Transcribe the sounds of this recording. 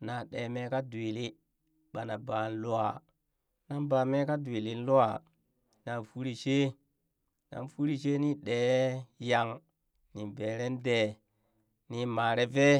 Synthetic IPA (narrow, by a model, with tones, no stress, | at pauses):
na˨ɗe˨me˦ka˦du˨i˨li˦ | ɓa˨na˨ba˨n˦lu˦a˨ | na˦nba˨me˦ka˦di˨li˨n˦lu˦a˨ | na˨fu˦ɾi˦˨ʃe˦ | na̰˨nfu˦ɾi˨ʃe˦ni˦ɗeː˨˦ja˨ŋ | ni˨ve˨ɾe˦nde˨ | ni˨ma˨ɾe˦ve˦